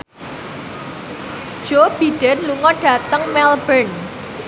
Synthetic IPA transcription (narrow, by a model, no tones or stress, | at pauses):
d̥ʒ̥ob̥i̤ɖ̥ɛ̤nluŋɔɖ̥ä̤t̪əŋmɛlbən